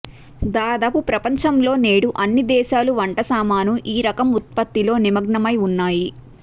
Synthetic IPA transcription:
d̪aːd̪aːpupɾɐpɐɲt͡ʃɐmlo̞ːneːɽuʔɐnːid̪ɛːʃaːluʋɐɳʈɐsaːmaːnuʔiːɾɐkɐmut̪̚pɐt̪ːilo̞ːnimɐɡɳɐmɐjunːaːji

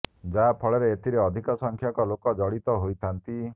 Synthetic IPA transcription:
d͡ʒapʰɔɭeɾeːt̪iɾeɔd̪ʱikɔsɔŋkʰjɔkɔlokɔd͡ʒɔɽit̪ɔɦojt̪ʰant̪i

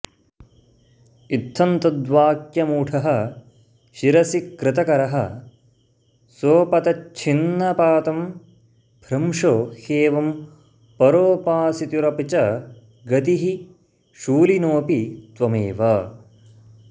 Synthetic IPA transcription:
it̪ʰːɐnt̪ɐd̪ʋaːkjɐmuːʈʰɐɦɐ | ʃiɾɐsikɾɪt̪ɐkɐɾɐɦɐ | soːpɐt̪ɐt͡ʃʰinːɐpaːt̪ɐm | b̥ʱɾɐmʂoːheːʋɐm | pɐɾoːpaːsit̪uɾɐpit͡ʃɐ | ɡɐt̪iɦi | ʃuːlinoːpit̪ʋɐmḛːʋɐ

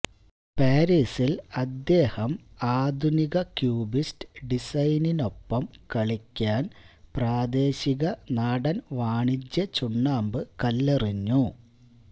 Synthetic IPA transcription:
paːɾiːsilɐd̪ːe̞ːhɐm | aːd̪ʱuniɣɐkjuːbistɨ̥ɖisɐjnino̞pːɐmkɐɭikʲːaːnpraːd̪e̞ːɕiɣɐnaːɽɐnʋaːɳid͡ʑjɐt͡ɕuɳːaːmbɨkɐlːeriɲːu

